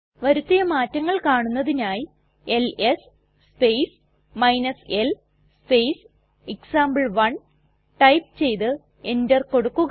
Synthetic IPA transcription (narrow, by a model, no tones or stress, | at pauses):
ʋɐɾut̪ːijɐmaːtːɐŋːɐɭkaːɳunːɐðinaːji | eles | spejs | mɐjnɐsel | spejs | eksaːmbɐɭʋɐɳ | ʈɐjp̚t͡ɕe̞jt̪ɨ | endɐrko̞ɽukːuɣ